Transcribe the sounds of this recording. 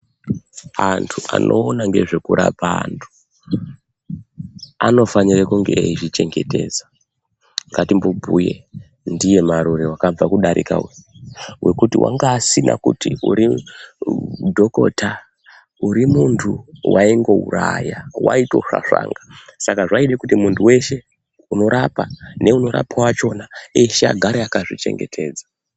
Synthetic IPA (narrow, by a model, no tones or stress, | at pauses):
antʰuʔa̰nʔo̞ːnaŋɡe̞ʐe̞kuɾapaantʰu̥ | ano̞fanirekuŋɡe̞eit͡ʃit͡ʃe̞ŋɡe̞te̞ːza | ŋɡatimbubʱujḛ | ndije̞maɾuɾewakab͡vakuɗaɾḭkawewʔe̞kutiwʔa̰ŋɡaːsina̰kṵtiṵɾi | dʱo̞ko̞̰ta | uɾimuntʰuwʔaiŋɡo̞uɾajawa̰ito̞̰ʂa̰ʂa̰ːŋɡasakaʐaiɗekutimuntʰuwe̞ʃe̞ | uno̞ɾapane̞uno̞ɾa̰pawat͡ʃo̞naeʃea̰ɡʱaɾeakaʐit͡ʃe̞̰ŋɡe̞tʰe̞ːd͡za